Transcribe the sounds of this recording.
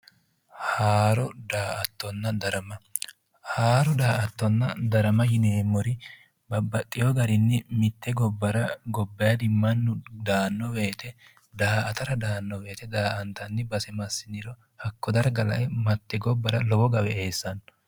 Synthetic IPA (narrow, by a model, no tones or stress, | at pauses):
haːɾɔd̪aːʔɐt̪ːɔnːɐd̪ɐɾɐmɐ | haːɾɔd̪aːʔɐt̪ːɔnːɐd̪ɐɾɐmɐjɪneːmːɔɾɪ | bɐbːɐt̪ʼːɪjɔɡɐɾɪnːɪmɪt̪ːɛɡɔbːɐɾɐɡɔbːɐjɐd̪ɪmːɐnːʊd̪aːnːɔwe̞ːt̪ɛ | d̪aːʔɐt̪ɐɾɐd̪aːnːɔwe̞ːt̪ɛd̪aːʔɐnt̪ɐnːɪbɐsɛmɐsːɪnɪɾɔ | hɐkːɔd̪ɐɾɡɐlɐ̰ʔɛmɐt̪ːɛɡɔbːɐɾɐlɔwɔɡɐwɛeːsːɐn